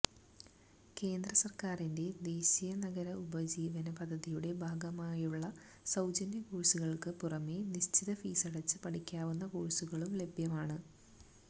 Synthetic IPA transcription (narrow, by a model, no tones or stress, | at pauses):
ke̞ːnd̪rɐsɐrkaːrinde̞d̪e̞ːɕijɐnɐɡɐɾɐubɐd͡ʑiːʋɐnɐpɐd̪ʱːɐðijuɽe̞bʱaːɡɐmaːjuɭːɐ | sɐwd͡ʑɐnjɐkuɻsuɣɐɭkɨpurɐmeniɕt͡ɕiðɐfiːsɐɽɐt͡ɕːɨpɐʈʰikʲːaːʋunːɐkuːɻisuɣɐɭumle̞bʱjɐmaːɳɨ